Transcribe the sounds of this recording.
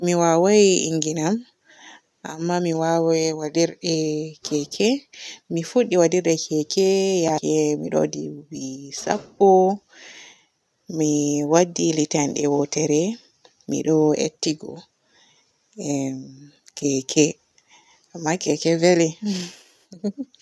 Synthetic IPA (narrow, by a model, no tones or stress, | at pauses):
miwawajiḭŋɡinam | ʔa̰mːamiwawɛwadiɾɗɛkɛkʰɛmifuɗːiwadiɾɗɛkʰɛkɛjaɛmḭɗo̰dḭwisa̰pːɔ | miwadːilitanɗɛwɔtɛɾɛ | mḭɗɔḛtːiɡɔ̰ | kɛkʰɛ | ʔamːakɛkɛvɛlɛ